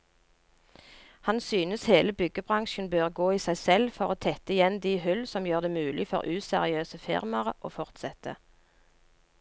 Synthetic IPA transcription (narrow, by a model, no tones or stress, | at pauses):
hɑnsyːnəsheːləbʏɡəbʁɑŋʃnbøːʁɡoːiːsæɪsɛlfɔʁoːt̪ʰɛt̪əɪjɛnd̪iːhʉlsɔmjøːʁd̪eːmʉːlɪfɔ̰ʁʔʉːsɛʁɪøːsəfɪ̰ʁmɑʁəʔo̰ːfɔʁt̪sɛt̪ə̰